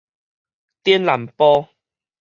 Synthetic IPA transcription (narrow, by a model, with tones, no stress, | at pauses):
t̪jɛ˦nla˨˩mpɔ˦